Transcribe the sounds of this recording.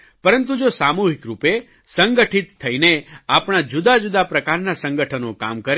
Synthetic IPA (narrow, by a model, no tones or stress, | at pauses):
pəɾənt̪̬ũd͡ʒosamuɦikɾupe | səŋɡəʈʰit̪ʰːəineapɳ̃ad͡ʒud̪ad͡ʒud̪apɾəkaɾnasə̃ŋɡəʈʰənõka̰mkəɾ